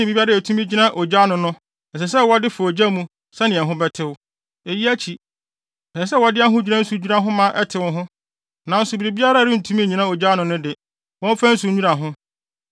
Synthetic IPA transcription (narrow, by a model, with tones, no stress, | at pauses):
ɪ̃˨bi˦bi˦a˦ɾa˦æ˨tʰũ˦mĩ˦d͡ʑi˦nã˦ʔo˨d͡ʑa˦nʊ̃˨nʊ̃˦ | ɛ˨s̬ɛ˨s̬ɛ˦wɔ˦dɪ˦fa˨o˨d͡ʑa˦mũ˦ | sɛ˦nɪ̃˨ɛ̃˨ɦʊ̃˦bɛ˦tʰɪ˦wʊ˦ | e˨ji˦æ˦t͡ɕʰi˨ | ɛ˨s̬ɛ˦wɔ˦dɪ˦a˦ɦʊ̃˦d͡ʑᶣu˦nã˦n̩˦su˨˦ɲᶣu˦a˦ɦʊ̃˦mã˦ʔɛ˦tʰɪ˨wʊ̃˦ɦʊ̃˦ | nã˨n̩˦sʊ˨bi˨ɾi˨bi˦a˦ɾa˦˨ɪ̃˦n̩˨tʰu˦mĩ˦˨ɲĩ˨nã˦o˨d͡ʑa˦nʊ̃˨nʊ̃˦dɪ˨ | wɔ̃˦m˦fa˦n̩˦su˨˦ɲᶣũ˦a˨ɦʊ̃˦